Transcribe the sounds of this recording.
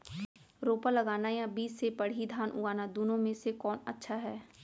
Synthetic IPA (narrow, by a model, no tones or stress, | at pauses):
ɾoːpəɾlɐɡaːnajãbiːsːepɐɽ̤id̪ʱaːnʔʊ̰ɡaːnad̪uːnõmẽsekɔːnɐ̰tːʃʰaɦɛː